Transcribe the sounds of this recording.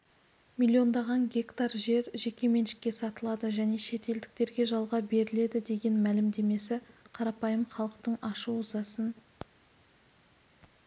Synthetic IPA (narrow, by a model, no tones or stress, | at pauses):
mʲilʲːio̞nd̪ɑʁɑŋɡʲe̞kt̪ɑɾʒe̞ɾʒe̞kʲe̞me̞nʃɪ̥kʲːe̞sɑt̪əlˠɑd̪əʒæne̞ʃe̞t̪e̞ld̪ɪk̚t̪e̞ɾɡʲe̞ʒɑlˠʁɑbe̞ɾɪle̞d̪ɪd̪e̞ɡʲe̞nmælɪmd̪e̞me̞sɪqʰɑɾɑpɑjəmχɑlˠəqt̪əɴɑʃuʊzɑsən